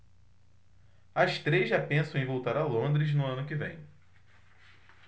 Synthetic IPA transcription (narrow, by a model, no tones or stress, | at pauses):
ɐʃt̪ɾezʒapẽsɐ̃w̃ẽvowt̪aɾɐlõnd̪ɾɪznʊɐ̃nʊkɪvḛ̃j̃